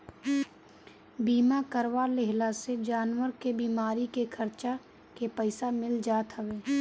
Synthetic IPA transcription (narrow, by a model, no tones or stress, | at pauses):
biːmakəɾʋalɪɦlased͡ʒaːnwəɾkebiːmaːɾikekʰɐɾt͡ʃa | kepəɪsamɪld͡ʒaːt̪ɦɐʋeː